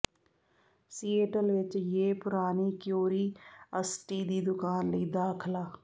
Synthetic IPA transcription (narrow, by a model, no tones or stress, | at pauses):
siːeːʈəlʋɪt͡ʃjeːpʊɾaːniːkjoːɾiːəsʈiːd̪iːd̪ʊkaːnləiːd̪aːkʰlaː